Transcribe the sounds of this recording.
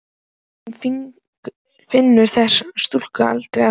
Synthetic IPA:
hnf | fɪnːʏɾ̥θɛsast̪ul̥kaa̰lt̪ɾeja

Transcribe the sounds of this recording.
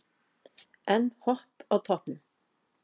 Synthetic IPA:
ʔɛnhɔʁpɑːt̪ʰɔpn̩

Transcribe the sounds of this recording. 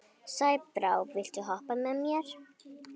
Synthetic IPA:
sajpɾawvvɪlt̪ʏɦɔhpamɛmjɛɾ̥

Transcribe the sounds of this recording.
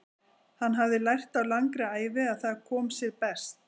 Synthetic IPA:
hanːɦavðɪlajr̥t̪awlaŋkɾɪaːjvɪaðθaðkʰɔːmsjɛɾpɛst̪

